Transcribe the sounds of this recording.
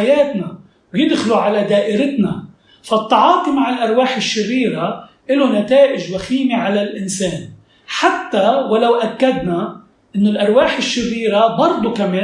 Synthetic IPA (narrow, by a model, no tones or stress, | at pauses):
ajeːt̪na | wjɪd̪xluʕalad̪aːʔɪɾɪt̪na | fat̪ˤːɑʕɑːt̪ˤimaʕɪlʔɑɾˤwaːħɪʃːɪrːiːɾa | ʔɪlonat̪aːʔɪʒwaxiːmiʕalalʔɪnseːn | ħat̪ːawalawʔakːad̪na | ʔɪnːʊlʔɑɾˤwaːħɪʃːɪrːiːɾabɑɾˤd̪ˤukameː